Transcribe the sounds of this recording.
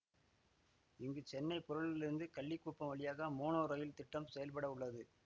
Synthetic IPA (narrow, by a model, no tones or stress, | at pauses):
ɪŋɡɯt͡ʃɛnːɐɪpɔɾɯɭɪlɪɾɯnd̪ɯkɐɭːɪkːuːpːɐmʋɐɭɪjaːɣɐmoːnoːɾɐjɪlt̪ɪʈːɐmsɛjɐlpɐɽɐʊɭːɐðɯ